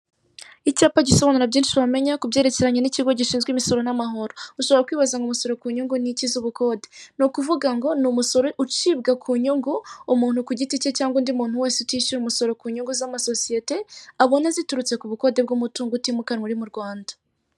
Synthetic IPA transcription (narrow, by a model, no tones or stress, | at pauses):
icaːpaɟiso̞βanuɾabɟiːnʃiβame̞ɲakubɟe̞ːɾe̞ce̞ɾaɲeniciɡoɟiʃiːnzɡwiːmiso̞ɾo̞namaɦoɾouʃoβoɾakwiːβazaŋɡumuso̞ɾo̞kuːɲuŋɡunicizuβuko̞ːde̞nukuvuɡaŋɡo̞numuso̞ɾo̞ʔut͡ʃiːbɡakʰuːɲuŋɡuːmuːn̥hukuɟiticecaːŋɡondiumuːn̥huwe̞ːseutiːʃuɾumuso̞ɾo̞kuːɲuŋɡuzamaso̞sije̞te̞aβo̞nazituɾut͡se̞kuβuko̞ːde̞b̚ɡumutuːŋɡutimukanŋuɾimuɾɡwaːndḁ